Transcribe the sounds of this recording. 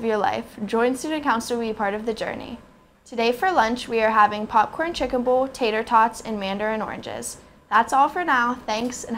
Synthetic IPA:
vjə˞la̰ɪfd̥ʒ̥ɔ̃ɪ̃nstʉdⁿn̩kʰãʊ̃nsl̩ˠwəbipʰɑɹɾʌvðɨd͡ʒɜ̰˞nḭ | tʰɨdeɪfə˞lʌ̃nt͡ʃwiə˞ɦævɪ̃ŋpʰɑp̚kʰɔɹ̃ntʰɹ̥ɪkɨ̃nbɔlˠtʰeɪɾə˞tʰɑtsɨ̃nmæ̃ndə˞ɨ̃nɔ̰ɹɨ̰̃nd͡ʒɪ̰z̥ | ðætsɔlˠfə˞naʊθæ̃ŋksɨ̃n

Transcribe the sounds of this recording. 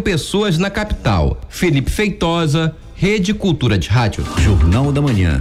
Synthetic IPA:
pesoɐznɐkapi̥t̪a̰wfelipɪ̥fejt̪ɔzɐ | hed͡ʒɪkuwt̪uɾɐd͡ʒɪɦad͡ʒʊ̰ʒoɾnawd̪ɐmɐ̃ɲɐ̰̃

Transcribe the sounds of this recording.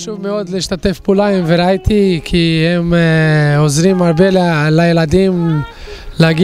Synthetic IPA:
ʃuvmeod̪leiʃt̪at̪efpulaimveɾajt̪ʰikʰihem | ozɾimaʁbellajelad̪im | leaɡi

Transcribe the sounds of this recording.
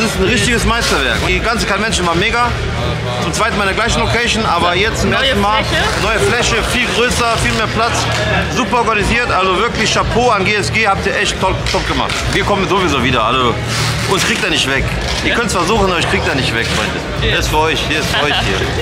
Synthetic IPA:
sɪstn̩ʁɪçtɪɡəsmaɪstɐvɛɐkɡant͡snkʰanmɛnʃn̩vaːnmeːɡa | t͡sʊmt͡sv̥aɪt̚n̩aːɪdɐɡlaɪçn̩lokʰɛʃnʔa̰ːbɐjɛt͡st͡sʊmʔeːɐstn̩maːl | nɔʏəflɛʃəfiːlɡʁøːsɐfiːlmeːɐpl̥at͡s | zuːpɐɔɐɡaniziːɐtʔalzovɪɐklɪçʃapʰoːanɡeːɛsɡ̥eːhap̚tiːɐʔɛçtʰːɔ | tʰɔpɡ̥əma̰χtviːɐkʰɔmənzovɪzoːviːdɐʔa̰lzo | ʔʊnskʁ̥iːk̚td̥anɪçtv̥ɛk | ʔiːɐkʰœntsv̥aɐzuːχn̩abɐɪçkʁ̥iːk̚td̥anɪçtv̥ɛkfʁ̥ɔʏndə | eɪsfːɐʔɔʏçhiːɐɪstfɐɔʏçhḭːɐ

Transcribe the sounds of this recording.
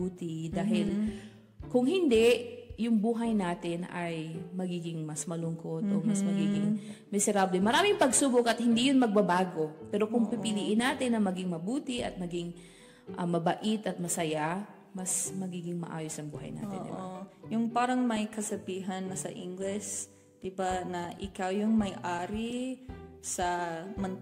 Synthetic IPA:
uːt̪ɪd̪aːɦɪl | kʊŋhɪnd̪ɛjʊŋbuːɦɐjnaːt̪ɪnɐ̰jmɐɡiːɡɪŋmɐsmɐlʊŋkot̪omɐsmɐɡiːɡɪŋmɪsɛɾaːblɛmɐɾaːmɪŋpɐɡsuːbokɐt̪̚hɪnd̪ijʊnmɐɡ̚bɐbaːɡo̞pɛːɾo̞kʊŋpɪpɪliːʔɪnaːt̪ɪnːɐmɐɡɪŋmɐbuːt̪ɪʔɐ̰t̪̚mɐɡɪŋ | ʔɐmɐbɐʔɪt̪ɐt̪̚mɐsɐja | mɐsmɐɡiːɡɪŋmɐ̰ʔa̰ːjosɐŋbṵːɦɐ̰jna̰ːt̪ɪ̰ʔ̪ɪ̰bojʊŋpaːɾɐŋmɐjkɐsɐbiːɦɐnːɐsɐ̰ʔɪŋɡlɛs | d̪̥ɪbanɐʔɪkawjʊŋmɐjʔaːɾi | sɐmɐn

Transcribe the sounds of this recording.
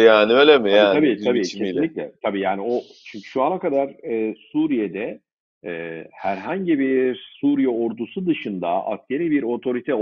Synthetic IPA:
jaːnielemiaaːabiːt̪ʰabiːc̪neilʲːiclʲɛ̰t̪ʰabiːjaːnio | t͡ʃʰyɲcʰy̥ʃuanakad̪aɾ̥ɛːsuːɾijed̪ɛ | ɛːhæɾɦaɲɟibiɾsuːɾijɛo̞ɾd̪usud̪ɯʃɯnd̪a̰ʔa̰sce̞ɾiːbiɾo̞t̪ʰo̞ɾit̪ʰɛ

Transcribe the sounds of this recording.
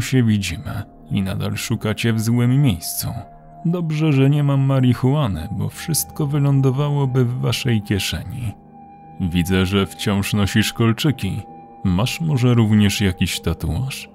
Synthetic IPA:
ɕɛvʲid͡ʑimɘ̰ | ina̰d̪a̰lʂukat͡ɕɛvzwɘmːjejst̪sṵ | d̪ɔbʐɛʐɛɲɛmamːaɾʲixuwanɘ̰bɔ̰fʂɘst̪kɔvɘlɔnd̪ɔvawɔbɘvːaʂɛjkʲɛʂɛɲi | vʲid̪zɛʐɛft͡ɕɔ̃w̃ʂnɔɕiʂkɔlt͡ʂɘkʲi | maʂmɔʐɛɾuvɲɛʂjakʲiɕt̪at̪ua̰ʂ

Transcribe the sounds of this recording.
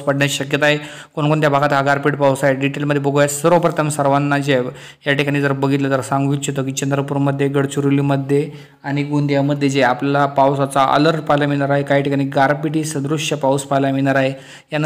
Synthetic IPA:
spəɽɳjaɕəkjət̪aɦe | koɳkoɳt̪jabʱaɡat̪ɦaɡaɾpiʈpawsaɦeɖiʈelməd̪ʱjebəɡojasəɾopɾət̪ʰəmsəɾʋanːad͡ʑe | jaʈʰikaɽ̃iːd͡zəɾbəɡʱit̪lət̪əɾsãŋɡʋit̪ɕot̪̬ok̬it͡ɕənd̪ɾəpuɾməd̪ʱjeɡəɽt͡ɕuɾuliməd̪ʱːje | aɽ̃iɡund̪jaməd̪ʱjed͡ʑeaplalapawsat͡saʔə̰ləɾʈ̚palamiɽaɾaɦekaɦiʈʰikaɽ̃iːɡaɾpiʈiːsəd̪ɾuɕjəpawspalamiɽaɾaɦe | jan

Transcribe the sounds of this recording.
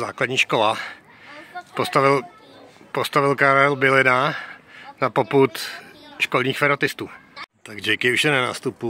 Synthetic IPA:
zaːkladɲiːʃkola | post̪avɪl | post̪avɪlkaɾɛlbɪlɪna | napo̞put̪ʃkolɲiːxfɛɾat̪ɪst̪uːt̪aɡʒɛkɪuʃjɛnana̰ːst̪upu

